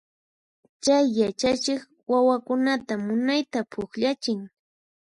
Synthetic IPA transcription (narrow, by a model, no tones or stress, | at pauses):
t͡ʃajːat͡ʃat͡ʃɪχ | wawakʊnat̪amʊnajt̪apʰʊχʎat͡ʃɪŋ